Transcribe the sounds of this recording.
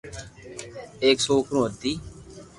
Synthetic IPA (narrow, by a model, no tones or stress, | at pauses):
eːksoːkɾũːəd̪iː